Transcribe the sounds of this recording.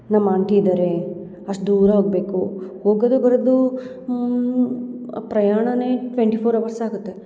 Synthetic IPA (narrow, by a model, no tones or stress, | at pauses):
nɐmːaɳʈid̪ɐɾe | ɐʂʈd̪uːɾɐɦoːɡ̚be̞ːkuhoːɡod̪ubɐɾɐd̪u | pɾɐjaːɳɐneːʈʋeɳʈipʰoːɾɐʋɐɾsaːɡut̪ːe